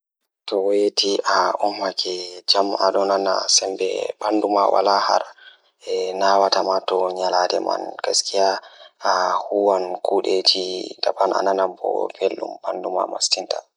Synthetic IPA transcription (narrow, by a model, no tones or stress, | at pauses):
tɔwɔjetiʔaʔɔmːakʰɛd͡ʒamaɗɔnana̰sɛmbɛ̰banduma̰wa̰laha̰ɾ | ɛnawatamatɔɲaladɛma̰nkaskijaahuwankuːɗed͡ʒidabana̰nanambɔ̰felːṵmbanduma̰mastinta